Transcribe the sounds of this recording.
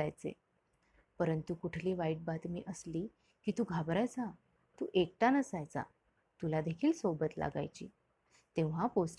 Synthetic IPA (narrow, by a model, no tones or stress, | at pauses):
ajt͡sḛ | pəɾənt̪ukuʈʰliːʋaiːʈ̚bat̪mḭːʔəsliː | kiːt̪uːɡʱabɾajt͡sa | t̪uːʔek̚ʈanəsajt͡sa̰ | t̪ulad̪ekʰiːlsobət̪la̰ɡa̰jt͡ɕḭː | t̪ẽʋ̤apos